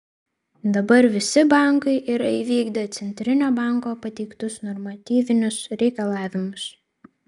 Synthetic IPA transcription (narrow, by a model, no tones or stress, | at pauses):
d̪ɐbɐɾʋʲɪsʲɪbɑˑŋkɐɪʔiɾɐiʋʲiːɡd̪ɐt̪sʲɛnʲt̪ʲɾʲɪnʲoːbɑˑŋkoːpɐt̪ʲɛɪkt̪ʊsnɔɾmɐt̪ʲiːʋʲɪnʲʊsɾʲɛɪkɐlˠɑːʋʲɪmʊs